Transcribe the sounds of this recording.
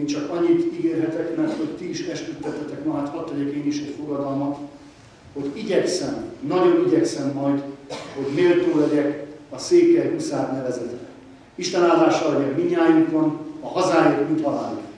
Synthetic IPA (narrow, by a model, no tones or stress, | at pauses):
mt͡ʃɒkɒɲːit̪iɡeːrɦɛt̪ɛkmɛrt̪ho̞ct̪iːʃɛʃt̪yt̪ːɛt̪hɛt̪ɛkmɒɡaːt̪hɒt̪ːɛɟɛkeːniʃɛcfoɡɒd̪ɒlmɒt̪ | ho̞ɟiɟɛksɛmnɒɟo̞niɟɛksɛmːɒjd̪ho̞ɟmeːlt̪oːlɛɟɛkɒseːkɛjɦusaːd̪nɛvɛzɛt̪rɛ | iʃt̪ɛnaːd̪aːʃɒlɛɟɛkmiɲːaːjukonɒhɒzaːjeːt̪ut̪hɒlaːn